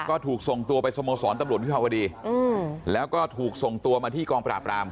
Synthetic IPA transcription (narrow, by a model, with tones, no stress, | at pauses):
kɔː˥˩t̪ʰuː˨˩k̚so˨˩ŋt̪u˧ɐpa˧jsa˧moː˧sɔː˩˦nt̪a˧mɾt̪̚wi˥pʰaː˧wa˧diː˧ɯː˧lɛː˦˥wkɔː˥˩t̪ʰuː˨˩k̚so˨˩ŋt̪u˧ɐmaː˧t̪ʰiː˥˩kɔː˧ŋpɾaː˨˩pːɾaː˧m